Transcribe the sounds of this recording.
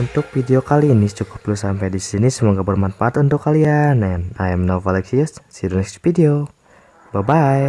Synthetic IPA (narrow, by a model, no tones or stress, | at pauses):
unt̪ʊk̚fideokalinit͡ʃukuplusampajdisinisəmɔŋɡaʔbərmanfaʔat̪unt̪ʊkːalianaanajɛmnafalɛksissidonɛsi̥fideo | babaɛ